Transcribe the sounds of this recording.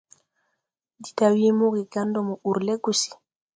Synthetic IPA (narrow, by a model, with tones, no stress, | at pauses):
di̥˨tawi˦mo˦ɡiɡandɔmuu˨ɾlɛ˦ɡusi̥˨